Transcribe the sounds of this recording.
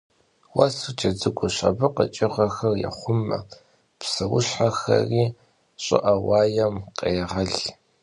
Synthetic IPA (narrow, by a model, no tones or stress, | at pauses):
wasut͡ʃɐd͡zɨɡʷʊɕɐ̰bɨqə̰t͡ʃʼɪʁɐxɐrjɐ̰χʷʊmːɐ̰ | psɐwʊɕħaxɐ̰riː | ɕʼɪ̰ʔɐwɑːjɐmqeːʁɐɮ